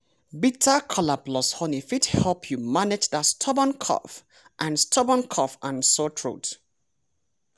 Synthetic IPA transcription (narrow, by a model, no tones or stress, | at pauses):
bitʰakʰɔlablɔshɔnifidhɛlpʰjumanɛd͡ʒdastʰɔbɔ̃nkʰɔ̰f | ʔãnstʰɔbɔ̃nkʰɔfãnsotʰɹo̰t